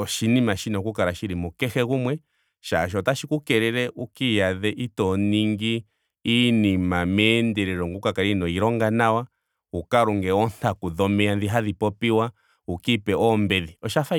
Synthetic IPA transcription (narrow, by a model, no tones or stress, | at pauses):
ɔʃinimaʃinɔkukaɾaʃiɾimukɛxɛɣumwɛ | ʃaʃ̬ɔtaʃikukɛɾɛɾɛʔukijaðɛʔitɔniŋɡiː | nimamɛndɛɾɛɾɔŋɡukakaɾinɔiɾɔŋɡanawa | ukaɾuŋɡɛɔnakuðɔmɛanðiɦaðipɔpiwa | ukipɛʔɔmbɛðiɔʃafa